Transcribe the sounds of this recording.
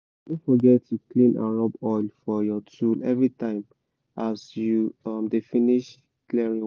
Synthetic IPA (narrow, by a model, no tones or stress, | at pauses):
dõfɔɡɛtːuklĩnã̰nɹɔbɔjlfɔjɔtʰulɛvɹitãɪ̃m | ʔasjumdefiniʃ | klɛɹĩ